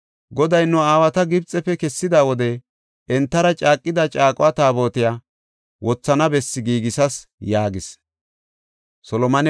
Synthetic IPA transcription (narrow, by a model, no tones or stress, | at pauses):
ɡɔd̪ɐjnːʊaːwɐt̪ɐɡɪbt͡sʼɛpːɛkɛsːɪd̪aːwɔd̪ɛ | ɛnt̪ːɐɾɐt͡ʃʼaːkʼːɪd̪ɐt͡ʃʼaːkʼʊwat̪aːbo̞ːt̪ɪjaː | wʔɔt͡sːɐnɐbɛsːɪɡiːɡɪsɐsjaːɡɪs | sɔlɔmɐnɛ